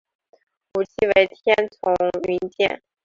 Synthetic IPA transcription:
u˨˩t͡ɕʰi˥˩we˧˥ɪt̪ʰjɛ˥nt͡sʰʊ˧˥ŋy˧˥nt͡ɕjɛ̰˥˩n

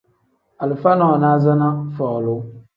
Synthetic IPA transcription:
a˨lɨ˨fa˦nɔ˦˨na˦za˦na˦fɔ˨lʊ˦

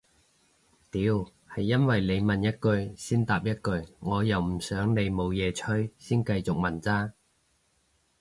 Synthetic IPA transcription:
t̪iː˨˧˥w | hɐ˨jːɐ˥nwɐ˨jle˨˧jmɐ˨njɐ˥t̚kɵ˧ɥsiː˥nt̪aː˨p̚jɐ˥t̚kɵ˧ɥŋɔː˨˧jɐ˨wm̩˨˩sœː˨˥ŋne˨˧jmo˨˧wjɛː˨˧t͡ʃʰɵ˥jsiː˥nkɐ˧jt͡sʊ˨k̚mɐ˨˩nt͡saː˥

